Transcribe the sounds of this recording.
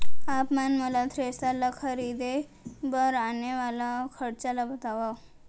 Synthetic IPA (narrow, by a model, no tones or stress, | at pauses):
apmanməlat̪ʰɾest̪alakʰəɾid̪e | bəɾaneʋalakʰəɽt͡ɕalabət̪aʋa